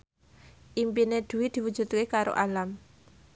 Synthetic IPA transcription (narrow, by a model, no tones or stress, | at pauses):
ʔimpined̪̥ṳwid̪̥i̤wu̥ʒ̥ṳt̪̚kekaɾo̰ʔalam